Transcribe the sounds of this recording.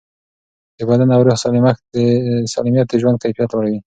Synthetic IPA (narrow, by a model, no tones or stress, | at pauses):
d̪əbad̪anawɾoxsɑlimad̪əsɑlimijat̪̚d̪əʒwanɡ̚t̪afijat̪waɽawi